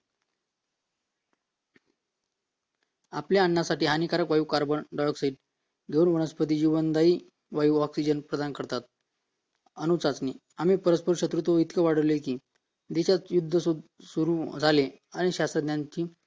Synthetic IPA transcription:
a̰pljaːɳːasaʈiːɦanikaɾəkʋajuːkaɾbənɖajɔksaiːʈ̚ | d̪onʋəɳəspət̪̬iːd͡ʑiʋənd̪aiː | ʋajuːɔksid͡ʑənpɾəd̪ankəɾt̪at̪̚ | ənut͡sat͡sni | am̤iːpəɾəspəɾɕət̪ɾut̪ʋəit̪kəʋaɽ̤əʋlekiː | d̪eɕat̪jud̪ʱːəsusuɾud͡zʱale | aɽ̃iɕast̪ɾəd̪njaɲt͡ɕiː

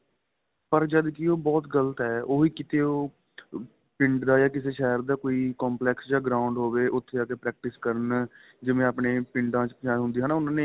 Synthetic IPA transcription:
pəɾd͡ʒəd̪kioːbɔːt̪ɡələt̪ɦɛːoːiːkɪt̪eːoː | pɪ̃ɳɖd̪aːjaːkɪseːʃɛːəɾd̪aːkoːiːkɔːmplɛːksd͡ʒaːɡɾaːʊ̃ɳɖɦoːʋeːʔʊt̪ʰːeːaːkeːpɾɛːk̚ʈɪskəɾən | d͡ʒɪʋẽːaːpneːpɪ̃ɳɖãːt͡ʃpət͡ʃaːĩɦʊnd̪iːɦaːnaːʊnãːneː

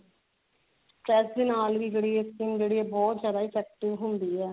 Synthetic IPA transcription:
sʈɾɛsd̪ɪːnaːlʋiːd͡ʒeːɽiːeskiːmd͡ʒeːɽiːɛːbɔːt̪zjaːd̪aːɪt͡ʃɛːk̚ʈɪʋɦʊnd̪iːɛː

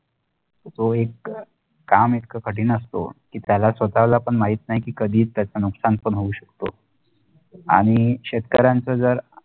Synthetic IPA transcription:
t̪oekː | amit̪kʰəkʰəʈiːnəst̪o̰kiːt̪jalasʋət̪aʋlaːpəɳmaɦiːt̪naɦikiːkəd̪ʱiːtt̪ːjat͡sanuksanpəɳɦouɕəkt̪o | a̰ɽ̃iɕet̪kəɾant͡səd͡zəɾ

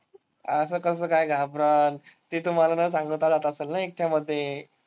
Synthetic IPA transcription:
əsəːkəs̬əːkajɡʱapɾət̪ːiːt̪um̤alanəs̬ãŋɡət̪ad͡zat̪əselnajek̚t̪ʰjaməd̪ʱːje

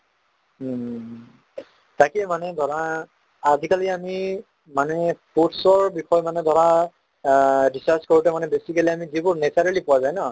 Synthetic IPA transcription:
takɛmanɛdʱɔɹaː | zikaliami | manɛputsɔɹbixɔjmanɛdʱɔɹa | disaskoɹutɛmanɛbesikeliamizibʊɹnesaɹalipʊwazajnɔ

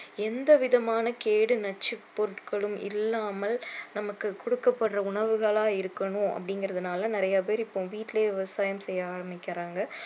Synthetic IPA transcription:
ɛnd̪ɐʋɪðɐmaːnɐkeːɽɯnɐʈ̚t͡ʃːɪpɔɾɯʈkɐɭɯmɪ̰lːaːmɐlnɐmɐkːɯkɔɽɯkːɐpːɐɽrɐʊɳɐʋɯɣɐɭaːɪɾɯkːɐɳʊ̃ʔɐ̰pːɐɽɪŋɡɪɾɐðɐnaːlɐnɪɾɐjaːp̬eːɾɪpːõːʋiːʈːɪleːʋɪʋɐsaːjɐmsɛjːɐaːɾɐmbɪkʲːɪɾaːŋɡɐ

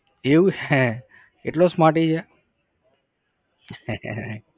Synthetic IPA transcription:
euɛ | eʈlosmaʈid͡ʒʰe

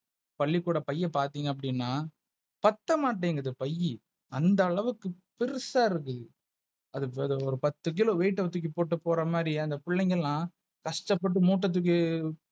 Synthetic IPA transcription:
pɐɭːikːuːɽɐpɐjːɐpaːɾt̪iːŋɡɐp̬ːɐɽɪnːaː | pɐt̪ːɐmaːʈːeːŋɡɐðɯpɐjːi | ɐnd̪ɐːɭɐʋɯkːɯ | pɪɾɯsaːɪɾɯkːɯðɯ | ɐðɯɐðɯɔɾɯpɐt̪ːɯk̬ɪloːʋeːʈːɯʋɐt̪ːɯk̬ːɯpoːʈːɯpoːɾɐmaːɾiɐnd̪ɐpɪɭːɐŋɡɐllãː | kɐʂʈɐpːɐʈ̬ːɯmuːʈːɐt̪̬ːɯk̬ːɯ

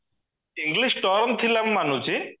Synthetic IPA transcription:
iŋɡliʃʈɔɾnt̪ʰilamːanut͡ɕi

